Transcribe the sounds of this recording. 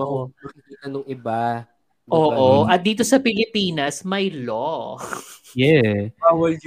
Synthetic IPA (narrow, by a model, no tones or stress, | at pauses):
ɐmakɪkiːt̪ɐnʊŋʔɪba | ʔoːʔoʔɐt̪̚d̪iːt̪o̞sɐpɪlɪpiːnɐsmɐjlo | jɛbaːwɐl